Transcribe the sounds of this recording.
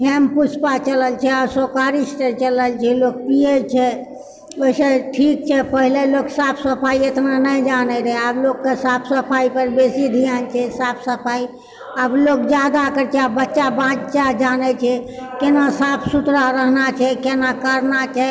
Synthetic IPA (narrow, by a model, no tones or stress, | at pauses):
ɦɛmput͡ʃʰpat͡ʃələlt͡ʃʰɛəbsokaɾisʈəɾt͡ʃələlt͡ʃʰɛloːk̚piet͡ʃʰɛ | bəseʈʰik̚t͡ʃʰɛpəɦileloksapʰsəpʰaiet̪nanəid͡ʒanɛɾɦẽabloɡkesapʰsəpʰaipəɾbesid̪ʱijant͡ʃʰɛsaːpʰsəpʰaːi | ablokd͡ʒjad̪akəɾt͡ʃabətːt͡ʃabãːd͡ʒt͡ʃaɦd͡ʒaːnɛt͡ʃʰɛkenasaːpʰsut̪ɾaɾəɦnat͡ʃʰɛkenakəɾnat͡ʃʰɛ